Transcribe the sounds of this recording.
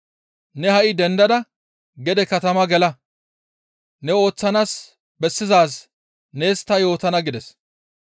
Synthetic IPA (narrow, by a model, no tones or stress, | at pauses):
nɛhɐʔɪd̪ɛnd̪ɐd̪ɐ | ɡɛd̪ɛkɐt̪ɐmɐɡɛlɐ | nɛo̞ːt͡sːɐnaːs | bɛsːɪzaːs | ne̞ːst̪ːɐjo̞ːt̪ɐnɐɡɪd̪ɛs